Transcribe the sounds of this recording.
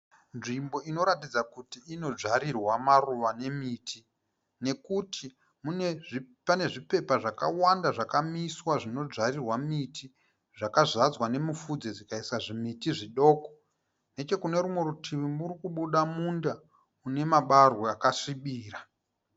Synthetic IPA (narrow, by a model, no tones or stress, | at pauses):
nʐimbo̞ino̞ɾatid͡zakutiːno̞d͡ʐaɾirwamaruʋane̞miːtʰi | ne̞kutʰi | mune | pane̞ʐipe̞paʐakawandaʐakamiswaʐino̞d͡zarirwamitʰi | ʐakazad͡zwane̞mufud͡zed͡zikaisaʐimitiʐiɗo̞ːko̥ | ne̞t͡ʃe̞kune̞ɾumwe̞ɾutʰiʋimuɾikuɓuɗamunda | une̞maɓarwoakaʂiɓiːra